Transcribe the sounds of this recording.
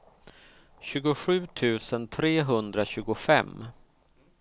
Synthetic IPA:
ɕʉ̟ːɡʊɧʉ̟ːt̪ʰʉ̟ːsənt̪ʰɾeːɦɵnd̪ɾaɕʉ̟ːɡʊfɛ̰mː

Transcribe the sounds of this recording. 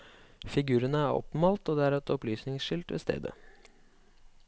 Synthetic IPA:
fɪɡʉːɾənəæːɾɔ̰pmɑːlt̪oːd̪ɛːæːɾɛt̪ɔplyːsnɪŋsʃɪlt̪ʋḛːst̪ʰḛːd̪ə̰

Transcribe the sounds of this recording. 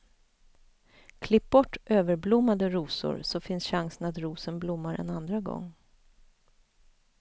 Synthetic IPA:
kʰlɪp̚bɔʈːʔøːvəɾblʊmːad̪əɾuːsʊ̰ɾsɔfɪnsɕaŋsənat̪ɾuːsənblʊmːaɾɛ̰nand̪ɾaɡɔ̰ŋː

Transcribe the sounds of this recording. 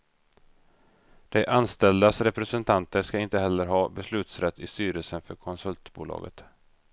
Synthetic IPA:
d̪̥ɛʔanst̪ɛld̪asɾɛpɾɛsɛnt̪ʰant̪əʂkaɪnt̪əhɛlːəɾɦɑːbɛslʉ̟ːt̪sɾɛt̪ʰːɪst̪yːɾəlsənfœɾkʰɔnsɵlt̪bṵːlɑ̰ːɡə̰t̪

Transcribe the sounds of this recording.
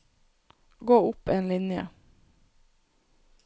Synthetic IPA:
ɡoːʊpeːnlɪnjə̰

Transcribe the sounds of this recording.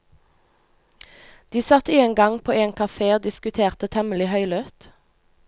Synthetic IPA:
d̪̥iːsɑt̪iɛŋɡɑŋpʰoːeːŋkʰɑfeːoːd̪ɪskʉt̪ʰeːʁt̪ət̪ʰɛməlɪhœʏlœt̪

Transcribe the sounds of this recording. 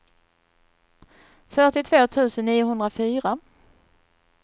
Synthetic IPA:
fœʈɪt̪ʰvoːt̪ʰʉ̟ːsənːiːʊɦɵnd̪ɾafyːɾa

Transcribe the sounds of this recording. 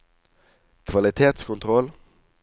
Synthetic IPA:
kʰʋɑlɪt̪ʰeːt̪skʰʊnt̪ʰʁɔl

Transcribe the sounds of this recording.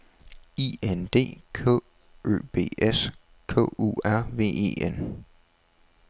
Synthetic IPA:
iend̥e̝̰ːkʰɔ̰ | ʔø̰ːb̥e̝̰ːes | kʰɔ̰̽ːṵæɐ̰ʋe̝̰ːe̝̰ːen

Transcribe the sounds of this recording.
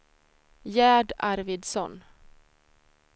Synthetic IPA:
jæːɖaɾvɪd̪sɔn

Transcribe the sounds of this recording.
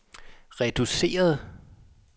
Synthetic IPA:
ʁɛd̥use̝̰ːɐð̞̩ˠ

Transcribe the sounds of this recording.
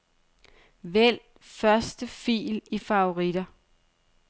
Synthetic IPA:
ʋel̰ | fɶɐsd̥əfḭːlifɑ̈o̝ʁid̥ɐ

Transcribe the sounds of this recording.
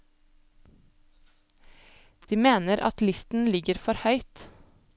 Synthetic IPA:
d̪̥iːmeːnəɾʔɑ̰t̪lɪst̪n̩lɪɡəɾfɔɾhœʏt̪

